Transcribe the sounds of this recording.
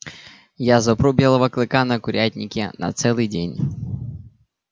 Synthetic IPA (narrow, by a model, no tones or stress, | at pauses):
jazɔpɾɔbʲjɛlˠɐʋɐklˠɪkanɐkʊɾʲatʲnʲikʲinɐ̰t̪sɛlˠɨjdʲenʲ